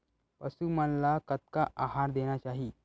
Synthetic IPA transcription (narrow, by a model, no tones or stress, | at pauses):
pəsumənlakət̪̚kaʔaɦaɾd̪eɽ̃jat͡ɕaɦi